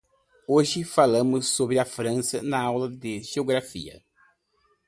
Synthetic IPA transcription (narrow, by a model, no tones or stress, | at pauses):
oʒɪfalɐ̃mʊsːobɾɪɐfɾɐ̃sɐnɐawlɐd̪ɪʒeoɡɾafḭɐ̰